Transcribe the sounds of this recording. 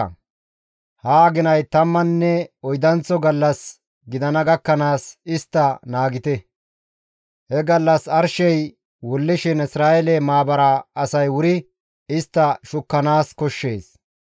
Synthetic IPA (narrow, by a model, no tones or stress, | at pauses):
haːɡɪnɐjt̪ɐmːɐnːɛɔjd̪ɐnt͡sɔɡɐlːɐs | ɡɪd̪ɐnɐɡɐkːɐnaːsɪst̪ːɐnaːɡɪt̪ɛ | hɛɡɐlːɐsɐɾʃɛj | wɔlːɪʃɪnɪsɾaːjelɛmaːbɐɾɐɐsɐjwʊɾɪ | ɪst̪ːɐʃʊkːɐnaːskɔʃːe̞ːs